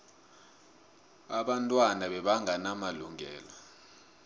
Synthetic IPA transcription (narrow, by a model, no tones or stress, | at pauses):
aɓantʼwanaɓɛɓaŋanamaluŋʱɛ̰ːlɔ